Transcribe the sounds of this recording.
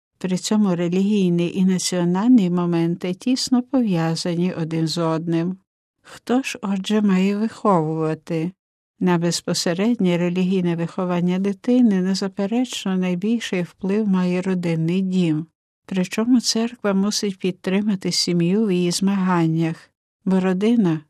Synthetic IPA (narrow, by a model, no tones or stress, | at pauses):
pɾɪt͡sʲɔmʊɾelʲiɦʲijnɪʔinɐt͡sʲiɔnɑlʲnimɔmɛnt̪ɪtʲisnɔpɔʋʲjɑzɐnʲiʔɔd̪ɪnzɔd̪nɪm | xt̪ɔʒ̥ɔd͡ʒɛmɑjɛʋɪxɔʋʊʋɐt̪ɪ | nɐbespɔseɾɛdʲnʲiɾelʲiɦʲijnɛʋɪxɔʋɑnʲːɐd̪ɪt̪ɪnɪnɛzɐpeɾɛt͡ʃnɔnɐjbʲilʲʃɪjwplˠɪwmɑjɛɾɔd̪ɪnːɪjdʲim | pɾɪt͡ʃɔmʊt̪sɛrkʋɐmusɪtʲpʲid̪̚t̪ɾɪmɐt̪ɪsʲimjuwjijizmɐɦɑnʲːɐx | bɔɾɔd̪ɪnɐ